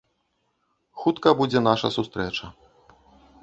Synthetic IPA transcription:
xut̪kɐbud͡zʲɛn̪aʂɐ̰sust̪ɾɛt͡ʂɐ

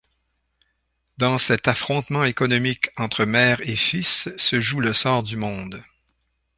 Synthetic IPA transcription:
d̪ɑ̃sɛt̪afχɔ̃t̪mɑ̃ekɔnɔmikʰɑ̃t̪χəmɛːʁefisːəʒuləsɔːʁd̪ymɔ̃d̪

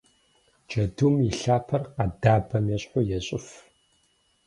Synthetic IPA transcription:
d͡ʒɐdumiɬaːpʰɐrqɐdaːbɐmjɛɕʼħʊjɛɕʼɪf

